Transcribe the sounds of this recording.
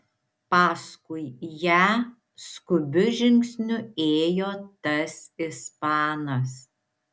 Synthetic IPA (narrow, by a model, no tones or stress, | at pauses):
pɑːskʊɪjæː | skʊbʲʊʒʲɪŋksʲnʲʊeːjoːt̪ɐsɪspɑːnɐs